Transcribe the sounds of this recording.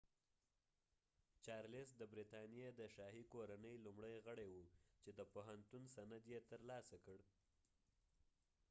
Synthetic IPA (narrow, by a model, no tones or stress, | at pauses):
t͡ʃɑɾlɪsd̪əbɾit̪ɑnjed̪əʃɑɦikoɾanəjlumɽəjɣəɽajwut͡ʃed̪əpoɦant̪unsanad̪jet̪əɾlɑsakəɽ